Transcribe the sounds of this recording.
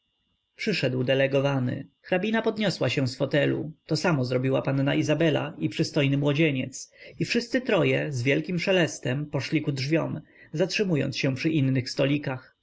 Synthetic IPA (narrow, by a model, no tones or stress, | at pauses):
pʂɘʂɛd̪wd̪ɛlɛɡɔvanɘ̰xɾabʲinapɔd̪ɲɔswaɕɛ̃w̃sfɔt̪ɛlṵt̪ɔsamɔzɾɔbʲiwapanːaizabɛla̰ipʂɘst̪ɔjnɘmwɔd͡ʑeɲɛt̪sifʂɘst̪sɘt̪ɾɔjɛzvʲjɛlkʲimʂɛlɛst̪ɛmpɔʂlʲikudʐvʲjɔm | zatʂɘmujɔ̰nt̪ɕɛ̃pʂɘʔinːɘxst̪ɔlʲikax